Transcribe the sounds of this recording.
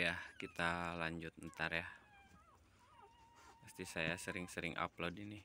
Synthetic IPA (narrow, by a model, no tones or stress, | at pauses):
jahkit̪alaɲd͡ʒʊt̪̚nt̪arja | məst̪isajasəɾɪŋsəɾɪŋʔa̰plodini